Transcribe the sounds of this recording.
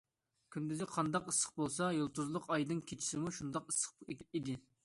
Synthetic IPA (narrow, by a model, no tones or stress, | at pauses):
kʲʰynd̪yzɪqʰɑnd̪ɑqəsːə̥q̚bolˠsɑjolˠt̪uzlˠʊqɑjd̪ɨnkʲʰet͡ʃʰi̥sɪmuʃund̪ɑqɨsːə̥q̚id̪ɪ